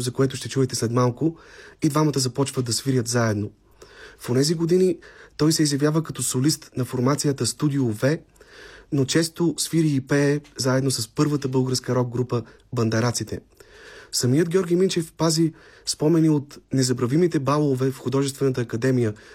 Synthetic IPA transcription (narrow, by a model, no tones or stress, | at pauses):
zɐkoɛt̪ʊʃt̪ɛt͡ʃuɛt̪ɛslɛt̪malˠkʊid̪vamət̪əzɐpɔt͡ʃvəd̪ɐsviɾʲjət̪zaɛd̪no | fonɛziɡod̪init̪ɔjsɛizjɐvjavəkɐt̪ɔsolist̪nɐfoɾmat̪sijət̪əst̪ud̪iovɛ | not͡ʃɛst̪osviɾiːpɛːzaɛd̪nosəspɤɾvət̪əbɤlˠɡəɾskəɾɔɡ̚ɡɾupə | bɐnd̪ɛɾat̪sit̪ɛ̰ | sɐmijəd̪ɡʲɔɾɡʲijmint͡ʃɛfpazi | spɔmɛniot̪nɛzɐbɾɐvimit̪ɛbalˠovɛfxʊd̪ɔʒɛst̪vɛnət̪əːkɐd̪ɛmijə